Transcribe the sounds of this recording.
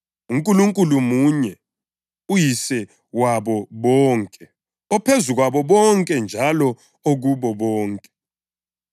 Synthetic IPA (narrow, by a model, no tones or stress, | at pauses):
uŋkʼuluŋkʼulumuɲɛ | ujisɛ | waɓɔɓɔːŋkʼɛ | ɔpʰezuɣwaɓɔɓɔŋkʼɛnd͡ʒʱalɔ | oɣuɓɔɓɔːŋkʼɛ̥